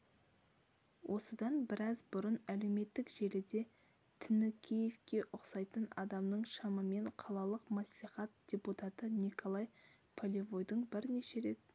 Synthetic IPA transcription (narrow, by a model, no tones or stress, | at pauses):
wʔo̞səd̪ɑnbɪɾɑzbʊɾənæle̞wme̞t̪ːɪkʒe̞lɪd̪e̞ | t̪ʰɪnɪkʲʰijevkʲe̞ʔʊqsɑjt̪ənɑd̪ɑmnəɴʃɑməme̞ɴqʰɑlˠɑlˠəqmɑsliχɑt̪̚d̪̥ʲe̞put̪ɑt̪ənikʰo̞lˠɑj | pʰolʲevojd̪əɴbɪɾne̞ʃe̞ɾe̞t̪̚